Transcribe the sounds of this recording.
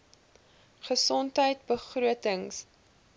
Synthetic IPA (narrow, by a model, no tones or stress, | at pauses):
χəsɔntɦəjt̚bəχruətəŋs